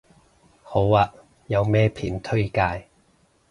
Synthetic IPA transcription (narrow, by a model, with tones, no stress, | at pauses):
ho˨˥waː˧ | jɐ˨˧wmɛː˥pʰiː˨˩nt̪ʰɵ˥ɥkaː˧j